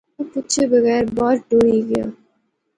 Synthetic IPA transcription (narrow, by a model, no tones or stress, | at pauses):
putːʃʰebəɣɛːɾbɔːɾɖoːɾiɡɐja̰ː